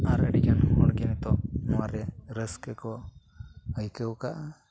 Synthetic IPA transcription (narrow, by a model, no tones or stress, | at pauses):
aɾəɖikanhunɔɽɡɛnɛt̪ɔnɔwaɾɛɾəskəkɔ | əjkəwkaʔa